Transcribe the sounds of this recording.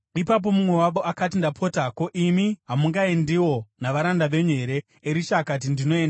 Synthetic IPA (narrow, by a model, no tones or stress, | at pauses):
ipap̬o̞mumwe̞waʋoʔakat̬indapʰo̞tako̞ʔimiɦamuŋɡaendiwo̞naʋaɾandaʋe̞ɲe̞ɾe̞ː | ɾiʃakat̬indino̞eːnda